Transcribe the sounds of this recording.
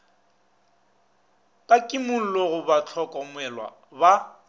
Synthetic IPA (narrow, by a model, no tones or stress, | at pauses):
pʼakʼɪmʊn̩loɣʊbat͡ɬʰɔkʼɔmwɛlwa̰ | ba